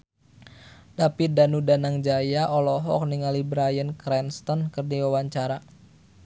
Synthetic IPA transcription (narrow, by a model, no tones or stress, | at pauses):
dapidanudanaŋd͡ʒajaʔɔlɔɦɔk̚niŋalibɾajənkɾɛnst̪ɔnkərdiwawaɲt͡ʃaɾa